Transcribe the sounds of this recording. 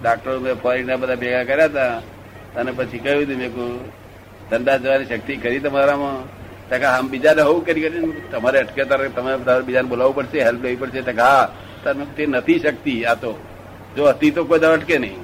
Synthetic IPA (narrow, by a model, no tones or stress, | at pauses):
ɖak̚ʈəɾomẽpʰoɾinabəd̪ʱapɛkakəɾjat̪a | ənepət͡ʃʰikəũd̪umẽko | t̪əɳɖad͡ʒəʋaniʃək̚t̪ikəɾit̪əmaɾamã | t̪akaɦambɪd͡ʒaneɦoʋũkəɾikəɾint̪əmaɾeəʈket̪aɾt̪əmaɾet̪aaɾbɪd͡ʒanebolaʋupəɽʃeɦelploʋipəɽset̪akɦa | t̪amekt̪enət̪ʰiʃək̚t̪iat̪o | d͡ʒoɦət̪it̪okojd̪aəʈkenəĩ